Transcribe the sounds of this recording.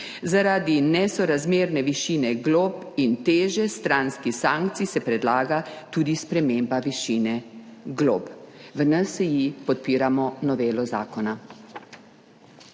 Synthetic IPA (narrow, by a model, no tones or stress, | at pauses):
zaɾaːd̪inɛsɔɾazmeːɾnɛʋiʃiːnɛɡlopint̪eːʒɛst̪ɾaːnskisãːŋkt̪sisɛpɾɛd̪laːɡat̪uːd̪ispɾɛmembaʋiʃiːnɛɡlo̰ːpʋənəsjipɔt̪̚piːɾamɔnɔʋeːlɔzaːkɔna